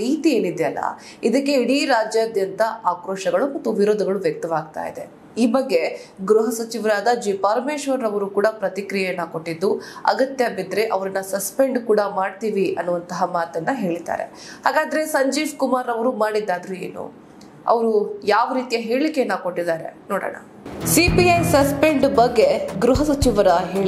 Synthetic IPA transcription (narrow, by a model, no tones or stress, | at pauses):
ɾiːt̪ie̞ːnid̪eɐlːɐ̰ | id̪ɐkːe̞iɽiɾaːd͡ʒjaːd̪jɐnt̪ɐʔaːkɾoːʂɐɡɐɭumɐt̪ːuʋiɾoːd̪ɐɡɐɭuʋjɐk̚t̪ɐʋaːɡ̚t̪a̰ːjḭd̪e̞ | iːbɐɡːe̞ɡɾuɦɐsɐt͡ʃiʋɾaːd̪ad͡ʒipɐɾmeːʃʋɐɾːɐʋɐɾukuːɽɐpɾɐt̪ikɾijejɐnːɐko̞ʈːid̪ːuɐ̰ɡɐt̪jabid̪ɾe̞ʔɐʋɐɾɐnːɐsɐspe̞ɳɖkuːɽɐmaːɽt̪iːʋiʔɐnːuʋɐnt̪ɐɦɐmaːt̪ɐnːɐɦe̞ːɭid̪a̰ːɾe̞̰ | haːɡaːd̪ɐɾe̞sɐɲd͡ʒiːʋkumaːɾɐʋɐɾumaːɽid̪ːaːd̪ɐɾue̞̰ːnṵ | ɐ̰ʋɐɾujaːʋɐɾiːt̪ijɐɦe̞ːɭikːenːako̞ʈːid̪aːɾe̞̰noːɽɐ̰ɳɐ̰ | sipiɐjsɐspeɳɖbɐɡːeɡɾuɦɐsɐt͡ʃiʋɐɾɐɦeːɭi